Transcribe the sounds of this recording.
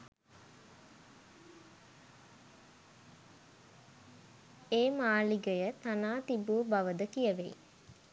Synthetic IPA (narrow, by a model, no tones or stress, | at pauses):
eːmaːliɡəjət̪anaːt̪ibuːbaʋəd̪əkijəʋḛj